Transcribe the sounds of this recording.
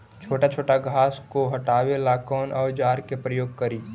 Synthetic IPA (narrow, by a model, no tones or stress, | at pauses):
t͡ʃʰoːʈat͡ʃʰoːʈaɡʱaːskoɦɐʈaːwelaːkɔːnʔɔːɾd͡ʒaːɾkepɾəjoːɡ̚kɐɾiː